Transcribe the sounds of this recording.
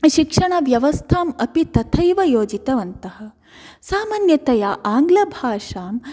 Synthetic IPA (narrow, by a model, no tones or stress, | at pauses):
ʃikʂɐɳɐʋjɐʋɐst̪ʰaːmɐpit̪ɐt̪ʰɐjʋɐjoːd͡ʒit̪ɐʋɐnt̪ɐhɐ̆ | saːmaːnjɐt̪ɐjaʔaːŋɡlɐbʱaːʂaːm